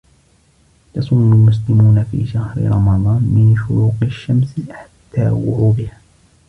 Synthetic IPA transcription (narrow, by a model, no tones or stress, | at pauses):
jɑsˤuːmʊlmʊs̬lɪmuːnafḭːʃahɾɪ̰ɾˤɑmɑd̪ˤɑːnmɪnʃʊɾuːqɪʃːamsħḁt̪ʰːa̰ːwʊ̰ʕuːb̪ɪha